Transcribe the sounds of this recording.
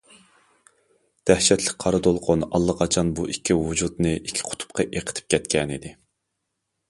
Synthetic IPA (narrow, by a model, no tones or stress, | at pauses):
d̪̥æhʃɛt̪ʰlɪk̚ʲqʰɑɾɨd̪olˠqʰʊnɑlˠːɑqʰɑt͡ʃʰɑnbuʔikʲːivud͡ʒut̪nɨikʲʰːi̥qʰʊ̥t̪ʰʊ̥p̚qʰɑʔeqʰə̥t̪ʰɪ̥p̚kʲʰɛt̪kʲɛnid̪ɪ